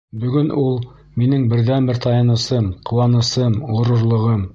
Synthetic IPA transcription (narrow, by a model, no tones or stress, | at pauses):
bɵ̆ɡɵnʔulˠ | minɘŋbɘ̆ɾðænbɘɾt̪ɑjɑnɤ̆sɤmqŏwɑnɤ̆sɤmŏɾŏɾlˠɤ̆ʁɤm